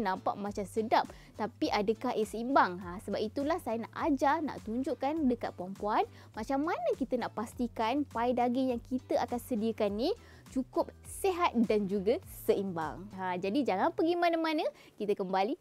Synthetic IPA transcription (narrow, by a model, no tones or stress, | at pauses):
nãmpa̰ʔmãt͡ʃamsədap̚ | t̪apiʔadəkaɦʔiəsəimbaŋasəbap̚it̪ulahsajənaʔad͡ʒana̰ʔt̪uɲd͡ʒʊʔkandəka̰t̪̚pɾampuan | mãt͡ʃamːanə̃kit̪ənaʔpast̪ikanpaidaɡijaŋkit̪əʔakansədiəkanːi | t͡ʃukʊp̚seɦat̪̚dand͡ʒuɡəsəimba̰ŋad͡ʒadid͡ʒaŋanpəɡimãnəmãnə̃ | kit̪əkəmbali